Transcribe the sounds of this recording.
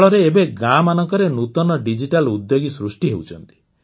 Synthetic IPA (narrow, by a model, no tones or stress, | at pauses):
ɭɔɾeːbeɡamanɔŋkɔɾenut̪ɔnɔɖid͡ʒiʈalud̪joɡisɾusʈiɦewt͡ʃʰɔnt̪i̥